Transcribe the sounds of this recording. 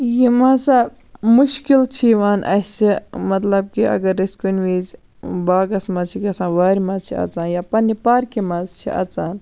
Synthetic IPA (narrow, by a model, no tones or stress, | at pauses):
jimaːsa | muʃkilt͡ʃʰiʋaːnʔɐ̰simɐt̪lɐb̚kiʔɐ̰ɡɐɾːiskunʲʋiːz | baːɡɐsmɐt͡ʃʰikʲɐsãːʋaːɾʲimɐt͡ʃʰiɐ̰t͡saːnjaːpɐnːipaːɾkimɐzt͡ʃʰḭʔɐ̰t͡saːn